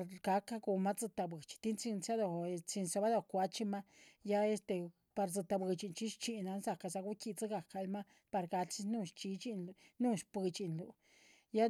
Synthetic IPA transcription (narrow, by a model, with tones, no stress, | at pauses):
ɾɡa˧ka˦ɡu˧ma˦t͡sɨ˧t̪a˧bɨ˨t͡ʃi̥˧t̪i˦nt͡si˧nt͡sa˦d̪o˨˧t͡si˧nsa˧ba˦d̪o˨kʷa˧t͡ʃi˦ma˦ja˦e˦st̪e˧ | pa˧ɾt͡sɨ˧t̪a˧bɨ˧t͡ʃi˧nt͡ʃi˦ʃt͡ʃi˧na˧nza˨ka˧za˧ɡu˦ki˧t͡sɨ˦ɡa˨ka˧lma˦ | pa˧ɾɡa˧si˦nu˦˧ʃt͡ʃi˧t͡ʃi˧n˧nu˦ʃpɨ˧t͡ʃi˨nlu˨ | ja˦